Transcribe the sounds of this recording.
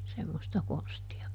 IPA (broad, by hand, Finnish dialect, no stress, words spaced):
semːostɑ konstiɑ